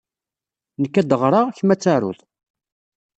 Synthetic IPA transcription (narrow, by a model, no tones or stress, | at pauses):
nəkːæd̪əʁɾˤɑʁçmæt͡sːaɾʊ̰ðˤ